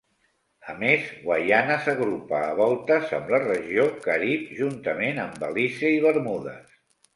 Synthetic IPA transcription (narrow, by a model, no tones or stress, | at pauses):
əmezɣwajanəsəɣɾupaːβɔlˠt̪əzəmlərəʒiokəɾip̚ʒunt̪əmenəmbəlisiəiβəɾmuðə̰s